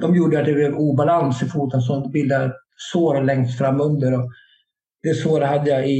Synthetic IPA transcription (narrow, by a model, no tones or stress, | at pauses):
d̪ɔmjuːɖəat̪̚d̪ɛbleːvuːbalansɪfuːt̪ənsɔmbɪld̪aɛ | soːɾɔlɛŋst̪fɾamːɵnd̪əɾɔ | d̪̥ɛsoːɾhad̪ːəjaɪ